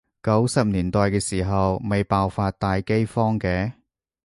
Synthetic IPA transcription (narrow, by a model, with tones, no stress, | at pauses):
kɐ˨˥wsɐ˨p̚niː˨˩nt̪ɔː˨˧jkɛː˧siː˨˩ɦɐ˨wme˨jpaː˧wfaː˧t̚t̪ːaː˨˧jke˥jfɔː˥ŋkɛː˨˥